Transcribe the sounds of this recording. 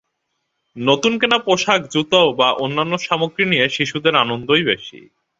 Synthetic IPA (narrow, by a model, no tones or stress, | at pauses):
not̪unkenapoʃakd͡ʑut̪aobaʔonːanːoʃamokɾinijeʃiʃud̪eɾanond̪ojbeʃḭ